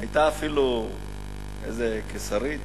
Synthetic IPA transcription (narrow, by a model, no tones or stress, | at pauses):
ajt̪aːfilu | ḛzekesaɾit̪